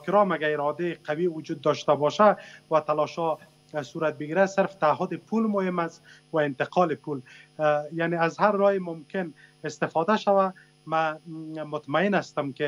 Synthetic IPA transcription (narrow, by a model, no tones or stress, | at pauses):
kɪɾɔmaɡaɪɾɔd̪eɪqʰawiwʊd͡ʒud̪̚ːɔʃt̪abɔʃawat̪alɔʃhɔ | suɾat̪̚bɪɡiɾasɪɾft̪aːɦʊd̪ɪpʰulmʊhɪmast̪waɪnt̪ɪqɒlɪpul | janeazhaɾːɔjɪmʊmkɪnɪst̪ɪfɔd̪aʃawa | mamʊt̪maɪnast̪ʊmkɪ